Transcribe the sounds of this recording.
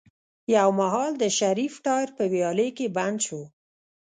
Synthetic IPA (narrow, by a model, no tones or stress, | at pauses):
jawmaɦɑld̪əʃaɾifʈɑjɾpəwjɑləjkeband̪ʃo